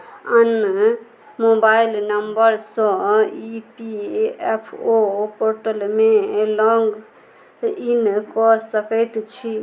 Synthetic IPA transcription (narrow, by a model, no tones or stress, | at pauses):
ən | mobailnəmbəɾsɔ̃ipiepʰopoɾʈəlmelɔŋɡ | inkɔsəkəjt̪t͡ʃʰi